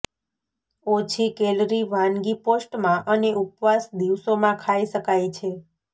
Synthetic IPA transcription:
ot͡ʃʰikelɾiʋãnɡiposʈmãʔəneʔupʋasd̪iʋsomãkʰaiʃəkajt͡ʃʰe

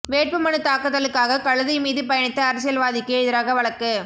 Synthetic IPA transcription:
ʋeːʈ̚pɯmɐɳɯt̪aːkɯt̪ːɐlɯkːaːɣɐkɐɻɐðɐɪmiːðɯpɐjɐɳɪt̪ːɐːɾɐs̬ɪjɐlʋaːðɪkːɯɪðɐɾaːɣɐʋɐɭɐkːɯ

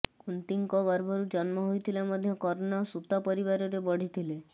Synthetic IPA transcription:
kunt̪iŋkɔbaɾbɔɾud͡ʒɔnmɔɦojt̪ʰilamɔd̪ʱjɔkɔɾonasut̪ɔpɔɾibaɾɔɾebɔɽ̤it̪ʰile

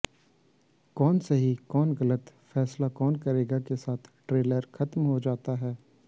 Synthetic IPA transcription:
kɔːnseɦikɔːnɣɐlət̪fɛːslakɔːnkɐɾeːɡakesaːt̪ʰʈɾeːləɾxɐt̪mɦod͡ʒaːt̪aɦɛː

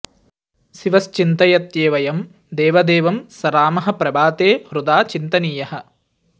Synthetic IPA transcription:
siʋɐst͡ʃint̪ɐjɐt̪jeːʋɐjɐm | d̪eːʋɐd̪eːʋɐmsɐɾaːmɐɦɐ̆pɾɐbaːt̪eːhɾud̪aːt͡ʃint̪ɐniːjɐhɐ̆

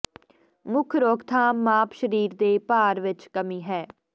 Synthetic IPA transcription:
mʊkʰɾoːkt̪ʰãːmaːpʃəɾiːɾd̪eːpaːɾʋɪt͡ʃkəmiːɦɛː

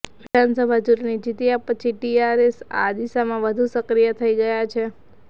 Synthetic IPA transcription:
ʋid̪ʱansəbʱad͡ʒuɾnid͡ʒit̪iapːət͡ʃʰiʈiaɾesa̰d̪iʃamãʋəd̪ʱusəkɾijət̪ʰəiɡəjat͡ʃʰe

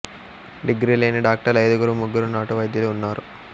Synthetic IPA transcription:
ɖiɡɾiːleːniɖaːk̚ʈɐɾɐjd̪ɐɡuɾumuɡːuɾunaːʈuʋɐjd̪ʱjɐluːunːaːɾu

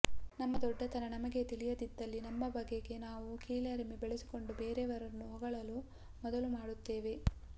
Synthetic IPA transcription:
nɐmːɐd̪ɔɖːɐt̪ɐnɐnɐmɐɡe̞t̪ilijɐd̪id̪ːɐlːinɐmːɐbɐɡeɡe̞naːʋukiːlɐɾemebeɭesi̥ko̞ɳɖubeːɾeʋɐɾɐnːuɦɔɡɐɭɐlu | mɔd̪ɐlumaːɽut̪ːe̞ːʋe̞

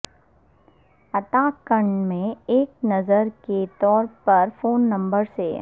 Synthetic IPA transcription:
ɐt̪aːkə̃ɳɖmẽeːk̚nɐzəɾket̪ɔːɾpɐɾfoːnːɐ̃mbəɾsḛ

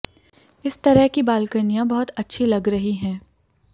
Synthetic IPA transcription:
ɪst̪ɐɾəɦkibaːlkənijãbɐɦʊt̪ɐtːʃʰilɐɡɾɐɦiɦɛ̃ː

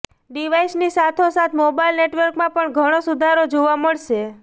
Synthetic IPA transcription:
ɖiʋaisnisat̪ʰosat̪ʰmobailneʈʋəɾkmãpəɳɡʱəɽ̃osud̪ʱaɾod͡ʒoʋaməɭʃe

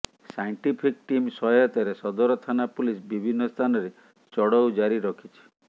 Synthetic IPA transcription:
sajɳʈipʰikʈimsɔɔt̪ɔɾesɔd̪ɔɾɔt̪ʰanapulisbibʱinːɔst̪ʰanɔɾe | t͡ʃɔɽɔwd͡ʒaɾiɾɔkʰit͡ʃʰi̥

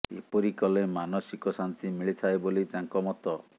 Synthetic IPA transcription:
ḛpɔɾikɔlemanɔsikɔsant̪imiɭit̪ʰaebolit̪aŋkɔmɔt̪ɔ

